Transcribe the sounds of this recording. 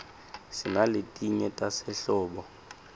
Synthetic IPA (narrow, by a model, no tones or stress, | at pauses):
sɪnaletʼiɲɛtʼasɛɬɔːɓɔ